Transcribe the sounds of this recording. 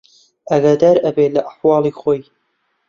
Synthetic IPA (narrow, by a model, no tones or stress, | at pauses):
ɐɡaːd̪aːɾɐbelɐʔaħwɑːlˠiːχoːj